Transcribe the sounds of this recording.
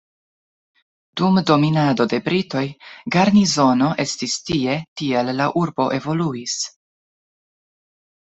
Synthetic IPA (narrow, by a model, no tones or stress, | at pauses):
d̥umdo̞minado̞de̞bɾito̞jɡaɾnizo̞no̞ʔe̞stistie̞tie̞lːaʔuɾbo̞ʔe̞vo̞luis